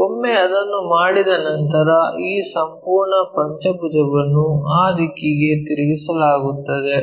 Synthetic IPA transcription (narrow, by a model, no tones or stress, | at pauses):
omːeɐd̪ɐnːumaːɽid̪ɐnɐnt̪ɐɾɐiːsɐmpuːɾɳɐpɐɲt͡ʃɐbʱud͡ʒɐʋɐnːuaːd̪ikːiɡe̞t̪iɾiɡisɐlaːɡut̪ːɐd̪e̞